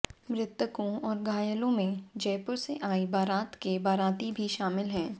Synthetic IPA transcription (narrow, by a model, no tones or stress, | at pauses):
mɾɪt̪ːəkõɔːɾɡaːjəlõmẽd͡ʒɛːpʊɾseʔaːibaːɾaːt̪kebaːɾaːt̪ibʱiʃaːmɪlɦɛ̃ː